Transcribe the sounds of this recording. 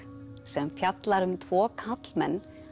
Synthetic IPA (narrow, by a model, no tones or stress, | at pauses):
sɛmfjat̪laɾʏmt̪ʰvɔːkʰat̪lmɛnː